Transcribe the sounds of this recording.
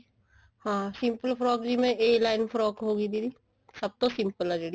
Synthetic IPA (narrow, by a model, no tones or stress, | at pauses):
hãːsɪ̃mpəlpʰɾɔːkd͡ʒimẽʔeːlaːɪnpʰɾɔːkɦoːɡəiːd̪iːd̪iː | səb̚t̪õːsɪ̃mpəlɛːd͡ʒeːɽiː